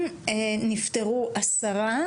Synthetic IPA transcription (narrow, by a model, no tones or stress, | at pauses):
enift̪eʁuʔasaʁa